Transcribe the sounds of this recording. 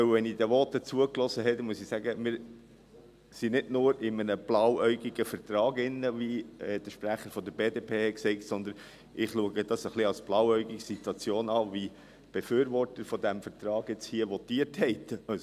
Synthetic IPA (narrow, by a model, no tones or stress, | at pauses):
œwʋɛnid̪əʋɔtːət͡suəklɔsəɦɛt̪muəsisæɡəmɪːɾ | sinɪdnʊːɾɪmənəb̥lɑwœʏɡiɡəfət̪ɾɑːɡɪnːəʋiɛd̥̪əʃpɾæχəɾfɔd̪əɾbeːdeːpʰeːhɛksɛɪtsɔnd̪ən | ʔɪχluəɡəd̥̪ɑsəχliɑlsb̥lɑwœʏɡiksit̪wɑt͡sjoːnɑːʋi | b̥ɛfyːɾʋɔɾtəɾfɔd̪æmfəɾt̪ɾɑːɡ̥jɛt͡shiəʋɔt̪iəthɛɪt̪ɑs